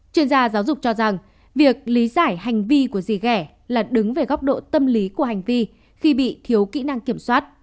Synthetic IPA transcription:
t͡ɕwi˧ənzaː˧zaː˨˦wzʊ˨˩k͡p̚t͡ɕɔ˧za˨˩ŋ | vi˨˩ək̚li˨˦zaː˧˩jha˨˩jŋ̟vi˧ku˧˩əzi˨˩ɣɛ˧˩ | laː˨˩ɗɨ˨˦ŋve˨˩ɣɔ˦˥wk͡p̚ɗo̰˧˨t̪ə˧mli˨˦ku˧˩əɦa˨˩jŋ̟vi˧ | xi˧ɓḭ˧˨t̪ʰi˨˦əwkḭ˧˥na˧ŋki˧˩əmswaː˦˥t̚

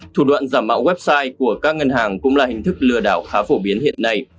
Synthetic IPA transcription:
t̪ʰu˧˩ɗwa̰ː˧˨nzaː˧˩mːa̰ː˧˥wwɛ˦˥p̚saː˧jku˧˩əkaː˦˥k̚ŋə˧nhaː˨˩ŋkʊ̰˧˥ŋ͡mlaː˨˩hï˨˩ŋ̟t̪ʰɨ˦˥k̚lɨ˨˩əɗaː˧˩wxaː˨˦fo˧˩ɓi˨˦ənhḭ˧˨ənːa˧j

